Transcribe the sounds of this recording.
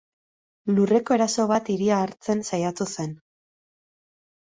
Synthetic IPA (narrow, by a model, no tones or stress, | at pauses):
lure̞ko̞e̞ɾaso̞β̞at̪iɾiaːɾt͡se̞nsajat̪use̞n